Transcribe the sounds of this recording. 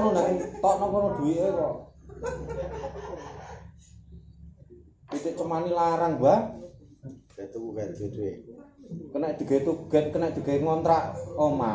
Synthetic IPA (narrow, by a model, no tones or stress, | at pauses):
nɔnait̪ɔʔnɔkɔnɔd̪̥ṳwiʔeɾɔ | it̪eʔt͡ʃəmanilaɾaŋba | t̪ukuɡɛd̪e | kənɛʔd̪̥i̤ɡ̥et̪ukuɡ̥ɛ̤t̪̚kənɛʔ̚d̪̥i̤ɡ̥e̤ŋɔnt̪ɾaʔoma